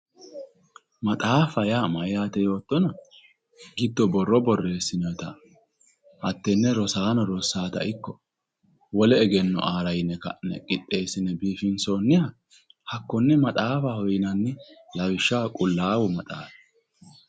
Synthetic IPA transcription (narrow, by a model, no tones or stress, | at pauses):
mɐt̪ʼaːfɐjaːmɐjaːt̪ɛjo̞ːt̪ːɔnɐ | ɡɪd̪ːɔbɔrːɔbɔrːe̞ːsːɪnɔɔt̪ɐ | hɐt̪ːɛnːɛɾɔsaːnɔɾɔsaːt̪ɐ̰ʔɪkːɔ | wɔlɛːɡɛnːɔ̰ʔaːɾɐjɪnːɛkɐ̰nɛ̰kʼɪt̪ʼːe̞ːsɪnɛbiːfɪnso̞ːnːɪhɐ | hɐkːɔnːɛmɐt̪ʼaːfɐhɔjɪnɐnːɪlɐwɪʃːaːkʼʊlːaːwʊmɐt̪ʼaːfɛ̥